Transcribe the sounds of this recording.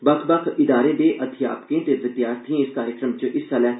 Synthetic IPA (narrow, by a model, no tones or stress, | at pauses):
bəkʰbəkʰɪd̪aːɾed̪eːʔət̪ʰɪja̰ːpkẽːt̪eʋɪt̪ɪjaːst̪ʰĩɪskaːɾjəkɾəmt͡ʃəʔɪsalɛː